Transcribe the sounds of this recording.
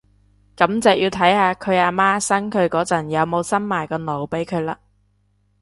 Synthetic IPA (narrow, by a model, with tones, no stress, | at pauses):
kɐ˨˥mt͡sɛː˨jiː˧wt̪ʰɐ˨˥jhaː˧kʰɵ˨˧ɥaː˧maː˥sɐ˥ŋkʰɵ˨˧ɥkɔː˨˥t͡sɐ˨˩njɐ˨˧wmo˨˧wsɐ˥nmaː˨˩jkɔː˧no˨˧wpe˨˥jkʰɵ˨˧ɥlaː˧